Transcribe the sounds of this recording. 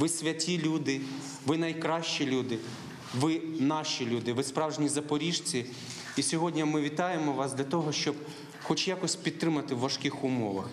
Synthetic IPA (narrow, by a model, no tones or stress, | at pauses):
ʋɪsʲʋʲɐtʲilʲud̪ɪ | ʋɪnɐjkɾɑʃt͡ʃilʲud̪ɪ | ʋɪnɑʃilʲud̪ɪʋɪspɾɑwʒnʲizɐpɔɾʲiʒt͡sʲi | isʲɔɦɔdʲnʲɐmɪʋʲit̪ɑjemɔʋɑsd̪ʲlʲɐt̪ɔɦɔʃt͡ʃɔb | xɔt͡ʃjakɔsʲpʲid̪̚t̪ːɾɪmɐt̪ɪwʋɐʃkɪxʊmɔʋɐ̰x